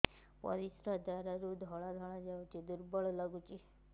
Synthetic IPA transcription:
pɔ̰ɾisɾad̪aɾaɾud̪ʱɔɭ̃ad̪ʱɔɭ̃ad͡ʒawt͡ʃʰid̪uɾbɔɭlaɡut͡ʃʰi

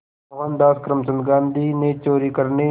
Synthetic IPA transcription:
ɣaːnd̪aːskɾəmsɐnd̪ɡaːnd̪iːneːt͡ʃoːɾiːkəɾneː

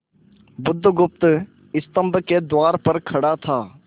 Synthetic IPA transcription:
bʊd̪ʱːɡʊp̚t̪ | ɪst̪ə̃mbked̪waːɾpɐɾkʰɐɽat̪ʰaː

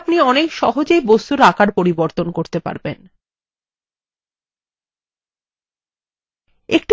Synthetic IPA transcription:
pniɔnekʃɔɦod͡ʑejbost̪uɾakʰaɾpoɾiboɾt̪onkoɾt̪epa̰ɾben | ekʈ

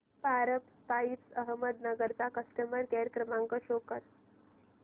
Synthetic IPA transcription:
paɾəp | pait͡səɦməd̪̚nəɡəɾt͡sakəsʈəməɾkɛɾəkɾəmãŋkəɕokəɾ

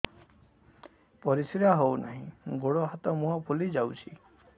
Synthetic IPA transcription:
pɔɾisiɾaɦowna̰ɦĩɡoɽɔɦat̪ɔmũapʰulid͡ʒawt͡ʃʰi

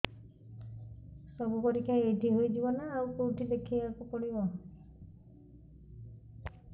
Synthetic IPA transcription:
sɔbukɔɾikʰajeʈiɦojd͡ʒibɔnaːwkowʈidekʰiakupɔɽibɔ

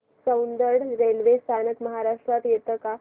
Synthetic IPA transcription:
sə̃wnd̪əɾɽɾelʋest̪ʰanəkməɦaɾaʂʈɾat̪jet̪əka

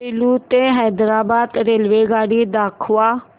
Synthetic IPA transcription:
ilut̪eɦɛːd̪ɾaːbaːd̪ɾeːlʋeːɡaːɽid̪aːkʰʊaː

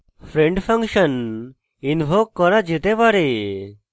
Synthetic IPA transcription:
pʰɾeɳɖpʰaŋkʃən | inbʱok̚kːɔɾad͡ʒet̪ebaɾe

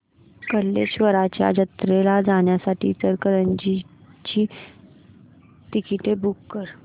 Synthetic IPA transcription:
kəlːeɕʋəɾat͡ɕja̰d͡ʑət̪ɾelad͡zaɳjasaʈʰḭt͡səɾkəɾəɲd͡ʑit͡ɕiː | ʈikiʈebukːəɾ

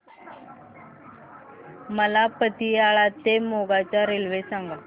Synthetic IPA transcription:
məlapət̪iaɭat̪emoɡat͡ɕjaɾelʋesaŋɡa

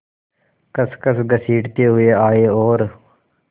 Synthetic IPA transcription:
kəskəsɡəsiːʈt̪eːɦʊeːaːeːoːɾ

